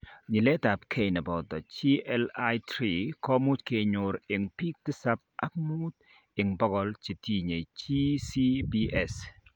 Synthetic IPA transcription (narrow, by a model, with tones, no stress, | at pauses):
ɲɪ˨lɛ˦ta˨pkʰe˦˨jnɛ˨bɔ˨d̪ɔ˨t͡ʃi˦ʔɛ˦la˦jtɾi˨kɔ˦mʊ˦t͡ʃke˨ɲʊ˨ɾɪ˨ŋpi˦k̚t̪ɪ˦sa˦p̚a̰˦k̚mu˦t̪ | ɪ˨ŋbɔ˦ɡɔ˦lt͡ʃe˨ti˦ɲe˨t͡ʃi˦si˦bi˦ʔɛ˨s